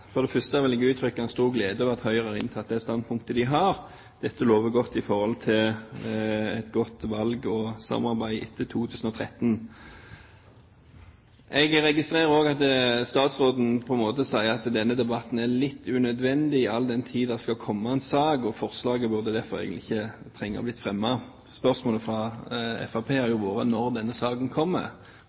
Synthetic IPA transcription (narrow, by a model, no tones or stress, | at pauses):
fɔd̪ɛfœst̪əɑʋɪlɛɡʉːt̪ʰɾʏkːəæɛnst̪uːʁɡleːd̪əɔʋɑt̪hœʏʁɛɾɪ̰nt̪ʰɑːt̪̚d̪ɛæst̪ɑnd̪̚pʰʊŋkt̪əd̪ɪɦɑɾ | d̪̥ɛt̪ːəloːʋəɡɔt̪ːɪfɔʁhɔlt̪ʰɪl | ɛt̪ɡɔt̪ʋɑlɡɔsɑ̰mɑɾbæɪɪ̰t̪ʰːət̪ʰuːt̪ʰʉːsən̩ɔt̪ʰɾɛt̪ːn̩ | ʔɛɡɾɛɡɪst̪ʁeːʁəoːɡɑt̪st̪ɑːt̪sʁoːd̪n̩pʰɔɛnmoːt̪əsæɪəʁɑt̪d̪ɛnːəd̪ɛbɑt̪n̩ælɪt̪ʰːʉnœd̪ʋɛnd̪ɪɪɑld̪ɛnt̪ʰiːd̪d̪ɛʁskɑkʰɔmːɑɛnsɑːɡɔfɔʁslɑːɡəbʉʁd̪əd̪æɾfɔɾæ̰ɪɡəlɪɪçːət̪ʰɾɛŋːɑ̰blɪt̪ːfʁɛmːɑ | spœʁsmoːləfɾɑɛ̰fɑpʰeːæɾjʊʋoːɾənɔɾd̪ɛnːəsɑːɡənkʰɔmːə̰